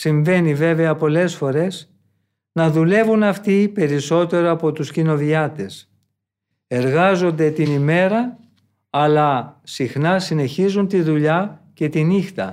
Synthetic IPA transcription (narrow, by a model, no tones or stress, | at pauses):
siɱve̞nive̞ve̞ɐpo̞le̞sfo̞ɾe̞s | nɐðule̞vunɐft̪ipe̞ɾiso̞t̪e̞ɾo̞ɐpo̞t̪uscino̞viɐt̪e̞s | e̞ɾɣɐzo̞nd̪e̞t̪inime̞ɾɐː | lɐsixnɐsine̞çizunt̪iðuʎɐce̞t̪inixt̪ɐ